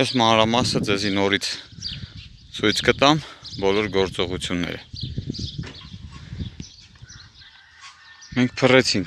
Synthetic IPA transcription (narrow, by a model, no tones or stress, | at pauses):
ɛsmɑnɾɑmɑsəd͡zɛzinɔɾit͡sʰ | t͡sʰujt͡sʰkət̪ɑmbɔlɔɾɡɔɾt͡sɔʁut͡sʰjunːɛ̰ɾə̰ | mɛŋk̚ʰpʰərɛt͡sʰiŋk